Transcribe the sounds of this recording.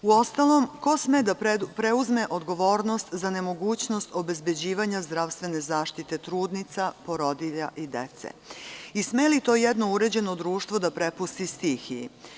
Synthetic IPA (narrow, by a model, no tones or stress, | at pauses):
uo̞st̪alˠo̞mko̞smed̪apɾeuzme̞ʔo̞d̪ɡo̞ʋo̞ːɾno̞st̪zane̞mo̞ɡuːt͡ɕno̞st̪o̞be̞zbe̞d͡ʑiːʋaɲazd̪ɾaʋst̪ʋe̞ne̞zaːʃt̪it̪e̞t̪ɾuːd̪nit̪sapo̞ɾo̞d̪iʎa̰ʔid̪e̞t̪sḛismelit̪o̞ːjɛd̪no̞uɾe̞d͡ʑe̞no̞d̪ɾuːʃt̪ʋo̞d̪apɾepust̪ist̪ixiḭ